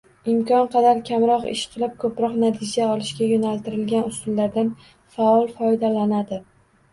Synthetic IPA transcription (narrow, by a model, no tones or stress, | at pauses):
ɪmkʲɒnqʰɑd̪aɾkʲʰamɾɒqɪ̰ʃqʰɨlˠɪp̚kʰɵpɾɒqnat̪ʰɪd͡ʒaɒlɪʃkʲajonalt̪ɪɾɪlɡʲanʊsʊlˠːaɾd̪an | faɒlˠfɒjd̪alanad̪ɪ